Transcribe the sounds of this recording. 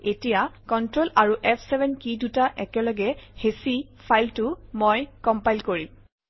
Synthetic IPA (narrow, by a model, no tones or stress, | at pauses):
etijakɔntɹolaɹuʔɛpʰsɛbʱɛnkidutaʔɛkɛlɔɡɛhesi | pʰajltumojkɔmpajlkoɹim